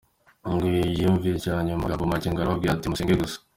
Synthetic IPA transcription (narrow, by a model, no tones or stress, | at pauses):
ŋɡwijiɱvicaɲumaɡaβomaciŋɡaɾaab̚ɡiɾatimuseŋɡeɡus